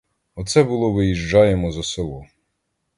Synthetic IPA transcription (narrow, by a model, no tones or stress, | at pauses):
ɔt̪sɛbʊlˠɔʋɪjiʒd͡ʒɑjemɔzɐselˠɔ